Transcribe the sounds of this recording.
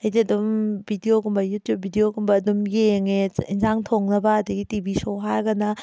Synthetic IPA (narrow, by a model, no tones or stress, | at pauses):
ɐjziɐdumbʱidioɡumbɐjutd͡ʒubʱidijoɡumbɐːdumjeŋeinzaŋtʰoŋnɐbɐːdɐɡitibʱisoɦaɾɡɐnɐ